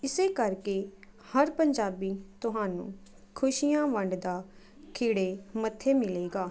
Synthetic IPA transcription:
ɪseːkəɾkeː | həɾpəɲd͡ʒaːbiːt̪ʊɦaːnṵ̃ː | kʰʊʃijãːʋəɳɖd̪aː | kʰɪːɽeːmət̪ʰːeːmɪleːɡaː

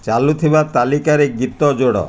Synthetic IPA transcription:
t͡ʃalut̪ʰibat̪alikaɾeɡit̪ɔd͡ʒoɽɔ̰

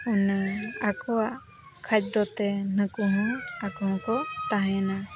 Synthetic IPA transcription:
ɔnakɔwaʔ | kʰat͡ʃ̚d̪ɔt̪ɛnəkuɦɔ̃akɔɦɔ̃kɔt̪aɦɛ̃na

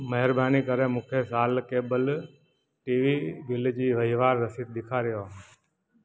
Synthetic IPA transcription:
məɦəɾbaːniːkəɾeːmũːkʰeːsaːlkeːbəl | ʈiːʋiːbɪld͡ʒiːʋəɦiːʋaːɾːəsid̪̚ɗ̪ɪkʰaːɾɪjoː

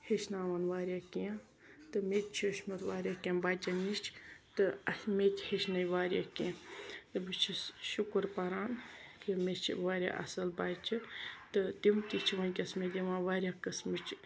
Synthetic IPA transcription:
heʃnaːʋanʋaːɾjaːkiã | t̪ɨmet̪̚ʲt͡ʃʰiʃmɐt̪ʋaːɾʲjaːkenbaːt͡ʃɐnit͡ʃʰt̪ɨɐsmet̪ʲheʃʰnɐjʋaːɾʲjakiãt̪ɨbɨt͡ʃʰiʃukuɾpɐɾaːnkimet͡ʃʰḭʋaːɾʲja̰ʔɐ̰sɐlbaːt͡ʃit̪ɨt̪imt̪it͡ʃʰiʋɐnʲkʲɐsmed̪ʲiʋãːʋaːɾʲjaːkɐsmit͡ʃʰ

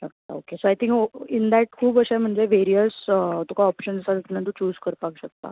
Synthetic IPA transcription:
əkt̪a̰o̰kesoajt̪ʰĩŋkoind̪æʈ̚kʰuːbəɕam̤əɳd͡zeʋeɾijəst̪ukʰaɔpɕənd͡zəsat̪unat̪ut͡ɕuːzkəɾpakɕək̚t̪a̰

